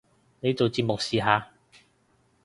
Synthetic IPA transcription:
ne˨˧jt͡so˨wt͡siː˧p̚mʊ˨k̚siː˨ɦaː˨˧

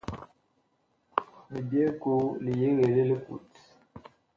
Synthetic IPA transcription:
li˨be˦ku˦li˨je˦ɣe˨le˦li˦kṵ˨t

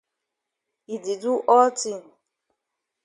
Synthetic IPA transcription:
i˨di˨du˦ʔɔ˦ti˦˨n˨

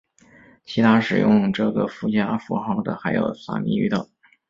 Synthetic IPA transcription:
t͡ɕʰi˧˥t̪ʰa˥ʂɻ̩˨˩jʊ˥˧ŋʈ͡ʂɤ˥˩ɡə˩fu˥˩t͡ɕja˥fu˧˥xɑ˥˩ʊd̪ə̰˨xa˧˥ɪjo̰˨˩ʊsa̰˥˩mḭ˧˥y˧˥t̪ɤ˨˩˦

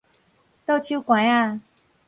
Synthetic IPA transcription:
t̪o˥˧t͡ɕʰu˦kwa˨˦a˥˧˨

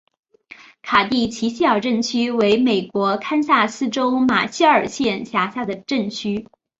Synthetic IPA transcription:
kʰa˨˩t̪i˥˩t͡ɕʰi˧˥ɕi˥ɑ˥˩ʊʈ͡ʂə˥˩nt͡ɕʰy˥we˧˥ɪme˨˩ɪkwɔ˧˥kʰa˥nsa˥˩sɹ̩˥ʈ͡ʂo˥ʊma̰˨˩ɕi˥ə˞˨˩ɕjɛ˥˩nɕja˧˥ɕja˥˩d̪ə˩ʈ͡ʂə˥˩nt͡ɕʰy˥

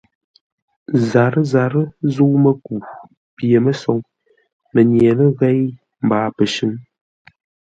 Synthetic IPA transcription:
za˨ɾə˦za˨ɾə˦zu˦wmə˦ku˨ | pje˨mə˦sɔ˨ŋ | mə˨ɲje˨lə˦ɣɛ˦j | m̩˨baː˨pə˨ʃɨ˦n

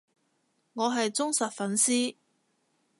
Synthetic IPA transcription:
ŋɔː˨˧ɦɐ˨jt͡sʊ˥ŋsɐ˨t̚fɐ˨˥nsiː˥

